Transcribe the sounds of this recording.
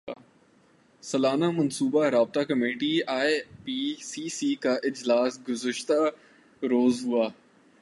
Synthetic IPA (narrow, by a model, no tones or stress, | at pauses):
sɐlaːnamɐnsuːbaɾaːb̚t̪akɐmeːʈiaːepisiːsiːkaʔɪd͡ʒlaːsɡʊzəʃt̪a | ɾoːzɦʊaː